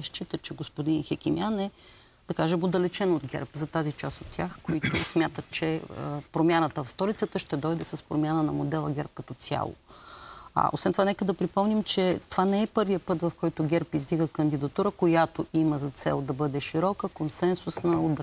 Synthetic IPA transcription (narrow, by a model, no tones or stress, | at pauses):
ʃt͡ʃit̪ət͡ʃɛɡospʊd̪inxɛkʲimjanɛ | d̪̥ɐkaʒəmod̪ɐlɛt͡ʃɛnod̪ɡʲɛ̰ɾpzɐt̪azit͡ʃast̪ot̪ːʲjaxkoit̪ʊ̰smʲjat̪ət̪t͡ʃɛpɾomʲjanət̪əfst̪ɔlit̪sət̪əʃt̪ɛd̪ɔjd̪ɛsəspɾomʲjanənɐmod̪ɛlˠəɡʲɛɾp̚kɐt̪ɔt̪sʲja̰lˠo̰ | ʔo̰svɛnt̪ovanɛkəd̪ɐpɾipɔmnimt͡ʃɛt̪ovanɛɛpɤɾvijəpɤt̪vɐfkɔjt̪ʊɡʲɛɾpizd̪iɡəkənd̪id̪ɐt̪uɾəkojat̪oʔiməzɐt̪sɛ̰lˠd̪ɐbɤd̪ɛʃiɾɔkəkonsɛnsʊsnɐod̪